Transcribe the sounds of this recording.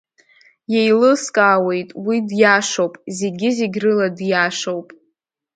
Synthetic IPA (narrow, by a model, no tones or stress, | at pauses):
jejlɨskʼaːwe̞jtʼwidjaʂowpʼzeɡʲɪzeɡʲrɨladjaʂowpʼ